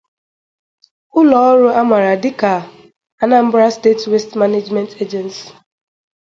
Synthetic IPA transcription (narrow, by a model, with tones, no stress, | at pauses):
ʊ˦lɔ˨ɔ˦ɾʊ˦a˦ma˨ɾa˨dɪ˦ka˨ | a˨na˦m̩˦bɾa˦ste˦twe˦stma˦ne˦d͡ʒmɛ˦ntʰe˦d͡ʒɛ˨nsi̥˨